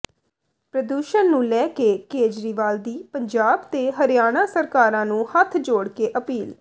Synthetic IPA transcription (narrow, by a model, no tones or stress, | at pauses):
pɾəd̪uːʃənnũːlɛːkeːkeːd͡ʒɾiːʋaːld̪iːpəɲd͡ʒaːbt̪eːɦəɾjaːɽ̃aːsəɾkaːɾãːnũːhət̪ʰd͡ʒoːɽkeːʔəpiːl